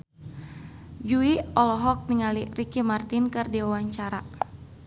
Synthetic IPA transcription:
d͡ʒuiɔlɔɦɔk̚niŋalirikimart̪inkɨrdiwawaɲt͡ʃaɾa

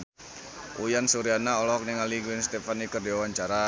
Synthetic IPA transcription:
ʔujansuɾianaɔlɔk̚niŋaliɡwɪnst̪efanikərdiwawaɲt͡ʃaɾa

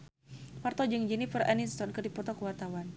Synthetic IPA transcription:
part̪ɔd͡ʒəŋd͡ʒɛnifəra̰nist̪ɔnkərdipɔt̪ɔkəwart̪awan

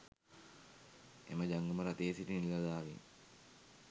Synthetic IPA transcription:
ḛməd͡ʒaŋɡəməɾat̪eːsiʈinilːad̪aːʋḭn

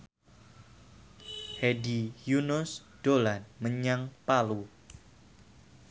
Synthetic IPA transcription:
hɛdijunʊs | d̥olanməɲaŋpalu

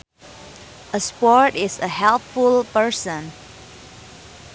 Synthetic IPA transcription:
əspɔɹtɪsəhɛlpfulˠpə˞sə̃n

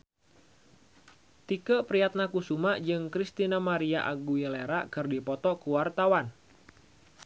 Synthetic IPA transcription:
t̪ikəpɾiat̪̚nakusumaʔd͡ʒɨŋkɾist̪inamaɾiaʔaɡujəleɾakɨrdipɔt̪ɔkuwart̪awan

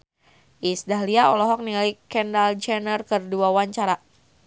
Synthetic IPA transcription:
ʔisdaɦliaɔlɔɦɔk̚nilikɛndald͡ʒɛnərkərduawaɲt͡ʃaɾa

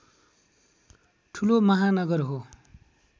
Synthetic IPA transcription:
ʈʰulomʌɦanʌɡʌrɦo

